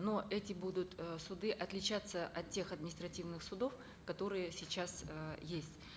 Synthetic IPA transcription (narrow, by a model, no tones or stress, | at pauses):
noʔɛtʲɪbud̪ʊt̪sʊd̪ɨʔɐt̪lʲɪt͡ɕat̪səʔɐt̪tʲːe̞xɐd̪̚mʲɪnʲɪst̪ɾɐtʲivnɨxsʊd̪o̞f | kɐt̪o̞ɾɨjəsʲɪt͡ɕasjesʲtʲ